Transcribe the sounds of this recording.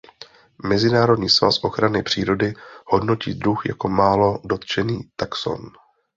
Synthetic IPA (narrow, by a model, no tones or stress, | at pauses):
mɛzɪnaːɾodɲiːsva̰sʔo̞xɾanɪpr̝̥iːɾo̞dɪho̞dno̞cḭːd̪ɾuxja̰ko̞maːlo̞do̞t̪t͡ʃɛniːt̪akso̰n